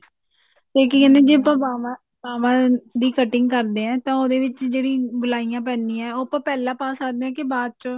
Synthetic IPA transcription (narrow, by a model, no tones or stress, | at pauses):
t̪eːk̬iːkɛ̃nd̪eːd͡ʒeːəpãːbaːma | baːmãːd̪iːkəʈɪŋɡkəɾd̪eːɛ̃ːt̪ãːoːd̪eːʋɪt͡ʃd͡ʒeːɽĩːɡʊlaːijãːp̬ɛːnĩːɛːoːəpãːpɛːlãːpaːsaːd̪ẽɛ̃ːkɪbaːd̪̚t͡ʃõː